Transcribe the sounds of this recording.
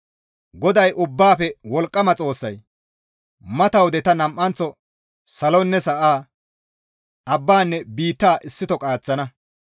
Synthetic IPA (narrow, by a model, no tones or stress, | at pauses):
ɡɔd̪ɐjʔʊbːaːpɛwɔlkʼːɐmɐt͡sʼo̞ːsːɐj | mɐt̪ɐwd̪ɛt̪ɐnɐmʔːɐnt͡sɔ | sɐlonːɛsɐʔaː | ʔɐbːaːnːɛbiːt̪ːaːʔɪsːɪt̪ɔkʼaːt͡sːɐnɐ